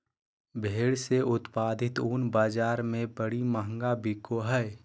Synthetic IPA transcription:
bʱeːɽseʊt̪paːd̪ʱɪt̪uːnbaːd͡ʒaːɾmẽbəɽiməɦə̃ŋɡabɪkoɦɛː

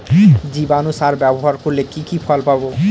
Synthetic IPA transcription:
d͡ʑibanusaɾbɛboɦaɾkoɾlekikifʰɔlpabo

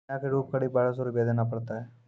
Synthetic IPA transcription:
ãkeɾuːp̚kəɽibaːɽas̬oɾibed̪enapɐɽt̪aɦɛː

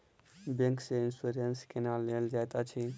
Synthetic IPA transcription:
bẽŋkseinsuɾənskenalːeld͡ʒajt̪at͡ʃʰi

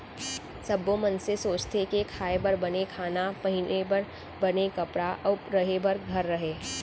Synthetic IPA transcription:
sɐbõmɐnsesoːt͡ʃt̪ekekʰaːebɐɾbɐnekʰaːnapɐɦɪnebɐɾ | bɐnekɐpɾaʔɔɾɐɦebɐɾɡʱɐɾːɐɦeː

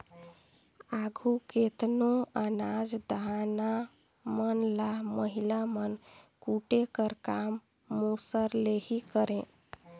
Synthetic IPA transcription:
aɡʱuket̪noanad͡ʒd̪ana | mənlaməɦilamənkuʈekəɾkamː | osəɾlehikəɾẽ

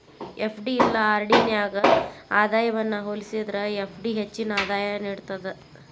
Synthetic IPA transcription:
epʰɖiːlːɐaːɾɽinjaːɡɐaːd̪aːjɐʋɐnːɐɦoːlisid̪ɾɐepʰɖiɦet͡ʃːinɐaːd̪aːjɐniːɽt̪ɐd̪e

